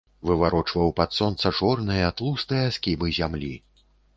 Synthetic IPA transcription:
vɨvaɾɔt͡ʂvɐwpat̪sɔnt̪sɐt͡ʂɔrnɨjɐat̪lˠust̪ɨjɐaskʲibɨzʲamlʲi

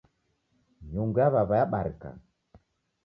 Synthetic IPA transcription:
ɲuŋɡaβaβajaɓaɾka̰

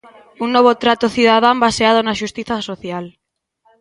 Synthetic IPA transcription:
uŋnoβ̞ot̪ɾat̪oθjuðaðambaseað̞onaʃust̪iθasoθjal

